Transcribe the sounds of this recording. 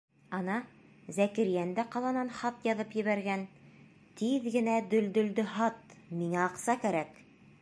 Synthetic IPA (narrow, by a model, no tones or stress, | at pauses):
ɑnɑ | zækɘ̆ɾjænd̪æqɑlˠɑnɑnχɑt̪jɑðɤpjɘ̆βæɾɡæn | t̪iðɡɘ̆næd̪ɵ̆ld̪ɵ̆ld̪ɵhɑt̪miŋæɑqsɑkæɾæk